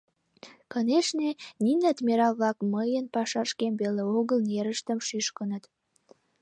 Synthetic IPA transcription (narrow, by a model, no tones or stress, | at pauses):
kɤneʃneninæt̪meɾɑlβlɑkməjənpɑʃɑʃkembeleoɣəlneɾəʃt̪əmʃyʃkə̆nət̪